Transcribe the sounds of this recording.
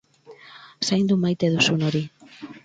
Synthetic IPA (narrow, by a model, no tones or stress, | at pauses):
sajnd̪umajt̪eðusunoɾi